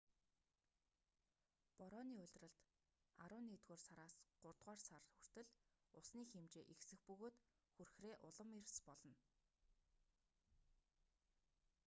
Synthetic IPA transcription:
pɔɾɔːniːʊɮʲt̪rə̆ɮt̪ | aɾʊːnːiːt̪ɣoːrsaɾaːsɢ̥ʊrt̪ʁaːrsarɵr̥t̪ɘ̆ɮ | ʊsniːxemt͡ɕeːʔixsɘ̆xpɵɣoːt̪ | xurxreːʔʊɮə̆mirspɔɮɞ̆n

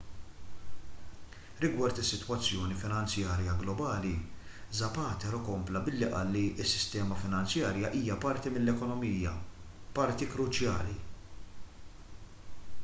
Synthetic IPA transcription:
ɾɪɡwɐɾt̪ɪsːɪt̪wɐt͡sːjɔːnifɪnɐnt͡sjɐːɾjɐɡlɔbɐːlizɐpɐːt̪ɛɾɔkɔmplɐbɪlːiʔɐ̰ːlːiʔɪsːɪ̥st̪ɛːmɐfɪnɐnt͡sjɐːɾjɐʔiːjɐpɐɾt̪imɪlːɛkɔnɔmiːjɐpɐɾt̪ikɾʊt͡ʃjɐ̰ːli

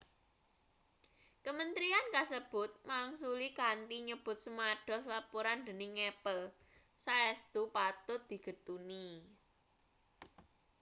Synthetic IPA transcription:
kəmənt̪ɾiankasəb̥ʊ̤t̪̚maŋsulikant̪iɲəb̥ʊ̤t̪̚səmaɖ̥ɔ̤slapuɾand̪ə̤nɪŋɛpəl | saɛst̪upat̪ʊt̪̚d̪̥i̤ɡ̥ə̤t̪uni

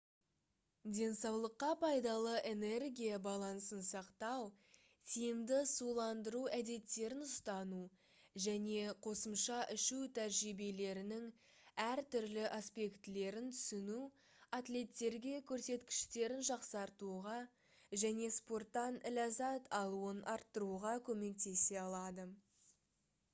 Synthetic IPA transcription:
d̪ʲe̞nsɑwlˠəqːɑpʰɑjd̪ɑlˠəʔe̞ne̞rɡʲijɑbɑlˠɑnsənsɑqt̪ɑw | t̪ʰijɪmd̪ɪsulˠɑnd̪əɾuæd̪e̞t̪ːe̞ɾɪnʊst̪ɑnu | ʒæne̞qʰo̞səmʃɑʔɪʃut̪ʰæɾʒibe̞le̞ɾɪnɪŋ | æɾt̪ʏɾlɪʔaspe̞kt̪ɪle̞ɾɪnt̪ʰʏ̥sɪnu | at̪lʲe̞t̪ːe̞ɾɡʲe̞kʲʰɵɾse̞t̪kʲɪ̥ʃt̪e̞ɾɪnʒɑqsɑɾt̪uʁɑ | ʒæne̞spo̞rt̪ːɑnɪlʲɑzɑt̪ʰɑlˠuənʔɑɾt̪ːəɾuʁɑkʲʰɵme̞k̚t̪e̞se̞ɑlˠɑd̪ə

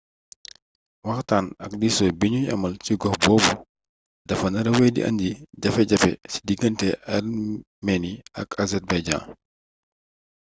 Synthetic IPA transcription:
wɐxtaːnɐk̚diːsɔːbiɲuɲɐ̰mɐlciɡɔxbɔːbu | dɐfɐnɐɾɐwɛjdḭʔɐ̰ndiɟɐfɛɟɐfɛ̰si̥diɡəntɛɐr | mɛniɐ̰kazɛrbajɟã̰ːn

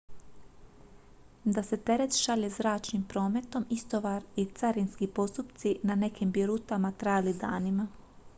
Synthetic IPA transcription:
d̪ase̞t̪e̞ɾe̞t̪ʃaʎezɾaːt͡ʃnimpɾo̞ːme̞t̪o̞mist̪o̞ʋaɾit̪saɾinskipo̞st̪upt̪sinane̞kimbiɾut̪amat̪ɾajalid̪aːnima

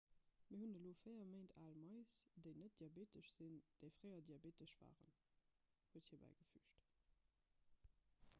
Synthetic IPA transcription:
miɐɦunəloːfəɪɐməɪntʰaːlmɑɪsd̥eɪnət̚d̥iabeːtəʃz̥ind̥əɪfʁɜɪɐdiabeːtəʃv̥a̰ːʁə̰n | huəthiːɐbæ̰ɪɡəfy̰ːʃt

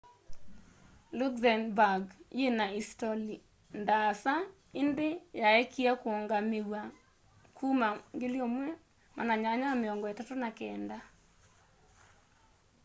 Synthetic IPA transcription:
lukzanbaɡjenaistɔli | ndasa | ɪndɪjaɛkiakwɔŋɡamɪwa | kʰumaŋɡɪljomwɛ | mʔa̰naɲaɲamɪɔŋɡɔɛtatonakɛnda

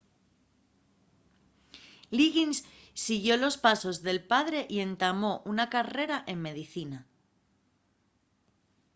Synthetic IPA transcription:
liɣinsː | iɣjo̞lo̞spaso̞zðe̞lpaðɾe̞ʔie̞nt̪amo̞ʔunakare̞ɾaʔe̞mme̞ðiθina

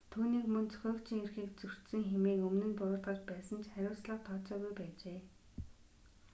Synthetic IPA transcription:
t̪ʰuːniːkmɵnt͡sʰɵ̥xʲœːkt͡ɕʰiŋerxiːk̚t͡sɵr̥t̪sɘ̆ŋxemiːkɵmnɘ̆npʊɾʊːɮʁə̆t͡ɕpæːsə̆nt͡ɕχæɾʲʊːsɮə̆qt̪ʰɔːt͡sɔːɣujpæːt͡ɕeː

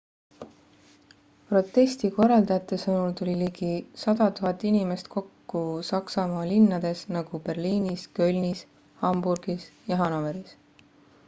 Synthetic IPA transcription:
pro̞t̪ːˑe̞st̪iko̞rːɑld̪ɑjɑt̪ːˑe̞sɤnult̪ulʲiliɡisɑd̪ɑt̪uɦɑt̪ːˑinime̞st̪kʰo̞kːusɑksɑmɑːlinːɑd̪̥e̞snɑɡ̥upe̞rliːniskø̞lʲnis | hɑmburɡ̥isjɑɦɑnoveɾis

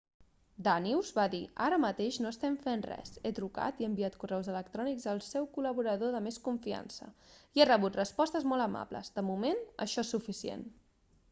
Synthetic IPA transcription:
d̪aniwzβaðiaɾəmət̪eʃnoəst̪ɛmfenrɛ̰zet̪ɾuka̰t̪ieəmbiat̪kurɛwzələk̚t̪ɾɔnikzəlˠsɛwkuləβuɾəðoðəmeskuɱfia̰nsə̰ierəβ̞ut̪rəspɔst̪əzmolˠəma̰blə̰zd̪əmumenə̰ʃɔesufisiḛn

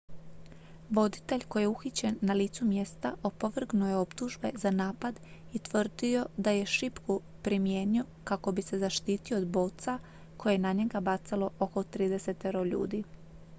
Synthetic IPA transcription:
ʋo̞d̪it̪e̞ʎʲko̞jeuxit͡ɕe̞nːaliːt̪sumje̞st̪ao̞poʋr̩ɡnujeo̞pt̪uʒbe̞zanaːpad̪it̪ʋr̩d̪io̞d̪aje̞ʃipku | pɾimje̞ːnio̞kako̞bise̞zaʃt̪iːt̪ioːd̪bo̞ːt̪sa | ko̞jenaɲe̞ɡabat̪salo̞ʔoko̞t̪ɾiːd̪e̞se̞t̪eɾoʎṵːd̪i

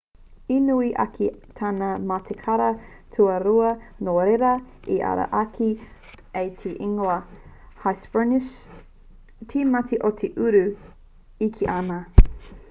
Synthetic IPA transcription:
inuiʔɐ̰kit̪ʰaːnamat̪ʰekʰɐɾɐ | tʰuɐɾuɐnoːɾeɾɐiʔɐ̰ɾɐ̰ʔɐkʰi | ejt̪ʰeʔiŋoɐ | hajsb̥əniʃ | tʰimɐtʰiʔotʰeʔʉɾʉ | ikʰiʔana

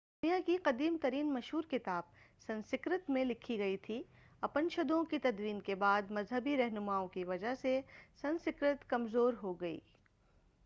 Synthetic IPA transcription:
d̪ʊnijakiqɐd̪iːmt̪ɐɾiːnmɐʃɦuːɾkɪt̪aːb̚sɐ̃nsɪkɾət̪mẽlɪkʰiɡɐit̪ʰi | ɐpənʃɐd̪õkit̪ɐd̪wiːnkebaːd̪mɐzɦəbiɾɐɦnʊmaːõkiʋɐd͡ʒaɦsesɐ̃nsɪkɾət̪kɐmzoːɾɦoɡɐḭː

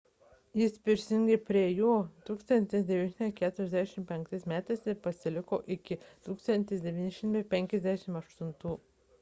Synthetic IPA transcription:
jɪspʲɪɾʲsʲɪŋɡɐɪpʲɾʲiɛjuːt̪uːkst̪ɐnʲt̪ʲɪsʲd̪ʲɛʋʲiːnʲʃʲɪnkʲæːt̪ʊɾʲɛzd̪ʲæʃʲɪmpʲɛŋk̚t̪ɐɪsmʲæːt̪ɐɪspɐsʲɪlʲɪkoːʔɪkʲɪt̪uːkst̪ɐnʲt̪ʲɪsʲd̪ʲɛʋʲiːnʲɪʃʲɪmt̪ɐɪpʲɛŋʲkʲɛzʲd̪ʲæːʃʲɪmɐʃt̪ʊnt̪uː

